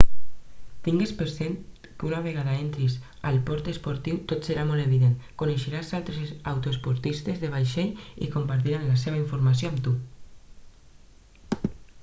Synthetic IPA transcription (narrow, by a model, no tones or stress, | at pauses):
t̪iŋɡespeɾzen | kunaβeɣaðaent̪ɾiz | alpɔɾt̪espoɾt̪iwt̪ot̪seɾamɔleβ̞iðenkuneʃeɾazalt̪ɾesawt̪oespuɾt̪ist̪ezðeβ̞ajʃeʎḭkompaɾt̪̬iɾanlas̬eβaiɱfuɾmasjoamt̪u